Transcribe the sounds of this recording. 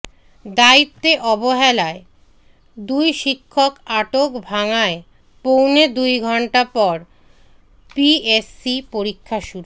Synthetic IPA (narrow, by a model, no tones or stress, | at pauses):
d̪ait̪ːeʔɔboɦɛlae | d̪ujʃikʰːokaʈokbʱaŋae | powned̪ujɡʱɔɳʈapɔɾ | piesːipoɾikʰːaʃuɾu